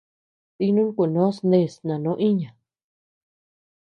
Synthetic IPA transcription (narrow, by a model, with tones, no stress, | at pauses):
t̪i˧nũ˦ŋku˨nõ˦snd̪e˧˨snã˨nõ˨˦ʔi˦ɲã˨